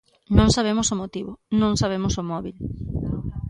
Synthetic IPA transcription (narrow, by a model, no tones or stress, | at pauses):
nõŋsaβ̞emʊsomot̪iβʊnõŋsaβ̞emʊsomɔβil